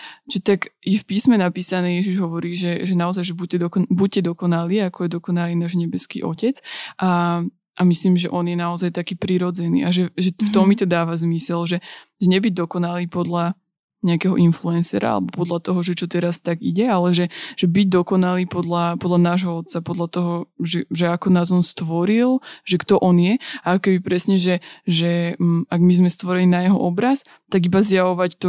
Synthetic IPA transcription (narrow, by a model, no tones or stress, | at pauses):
t͡ʃɛt̪aɡjɛfpiːsmɛnapiːsanɛːjɛʒiʒɦɔʋɔɾiːʒɛʒɛnaɔzajʒɛbucɛd̪ɔkɔbuɟ̚cɛd̪ɔkɔnaliːakɔjɛd̪ɔkɔnaliːnaːʒɲɛbɛskḭːʔɔ̰cɛt͡sʔa | ʔamisliːmʒɛʔɔnjɛnaɔzajt̪akiːpɾiɾɔd͡zɛnḭːaʒɛʒɛft̪ɔmːit̪ɔd̪aːʋazmisɛlʒɛ | ʒɛɲɛbiɟ̚d̪ɔkɔnaliːpɔd̪la | ɲɛakɛɦɔʔinfluɛnsɛ̰ɾa̰a̰lɛbɔpɔd̪lat̪ɔɦɔʒɛt͡ʃɔt̪ɛɾast̪aɡḭɟɛalɛʒɛʒ̥ɛbiɟ̚d̪ɔkɔnaliːpɔd̪lapɔd̪lanaːʒɦɔɔt̪̚t͡sapɔd̪lat̪ɔɦɔʒɛʒɛakɔnaːzɔnst̪ʋɔɾilʒ̥ɛkt̪ɔʔɔnjɛaakɔkɛbipɾɛsɲɛʒɛʒɛaɡmizmɛst̪ʋɔɾɛniːnajɛɦɔ̰ʔɔbɾas | t̪aɡibazjaʋɔʋact̪ɔ